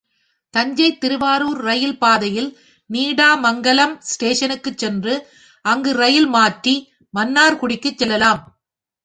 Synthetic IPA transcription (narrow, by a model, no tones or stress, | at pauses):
t̪ɐɲd͡ʒɐɪt̪ːɪɾɯʋaːɾuːɾɾɐjɪlpaːðɐjɪl | niːɽaːmɐŋɡɐlɐmsʈeːʂɐnɯkːɯt͡ʃːɛndrɯ | ʔɐŋɡɯɾɐjɪlmaːʈri | mɐnːaːɾkʊɽɪkːɯt͡ʃːɛlːɐlaːm